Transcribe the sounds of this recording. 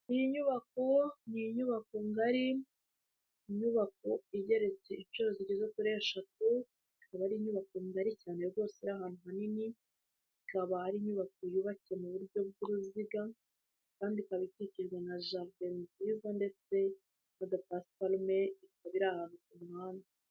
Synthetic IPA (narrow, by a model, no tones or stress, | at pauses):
nijiɲuβako̞nijiɲuβakoŋɡaɾi | ɲuβako̞iɟe̞ɾe̞t͡se̞it͡ʃo̞ɾoziɟezekuɾeʃat̚u | iikaβaɾiːɲuβakoŋɡaɾicaːneɡo̞ːseiɾaɦaːn̥huhanini | ikaβahaɾiːɲuβakojuβaciemuβuɾɟo̞b̚ɡuɾuziɡa | kaːndikaβiticiɾɡwanaʒaɾɡeɾziːzande̞t͡se̞ | nadapasfalme̞itaβiɾahaːnukumŋaːna